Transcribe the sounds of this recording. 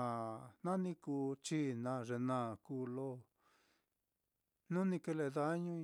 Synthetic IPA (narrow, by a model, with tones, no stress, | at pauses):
a˨nã˦nĩ˧kuː˧t͡ʃi˦nã˧ʐe˧nã˦˧˨kuː˧˦lo˦ | nũ˦nĩ˧ke˧le˧ða˧˦ɲũ˦˧